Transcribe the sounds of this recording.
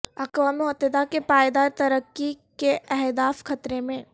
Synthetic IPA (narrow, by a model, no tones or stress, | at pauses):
ɐkʋamʊɦət̪ːɪd̪akepaːjd̪aːɾt̪ɐɾəkːikeʔɛɦd̪aːfxɐt̪ɾemẽ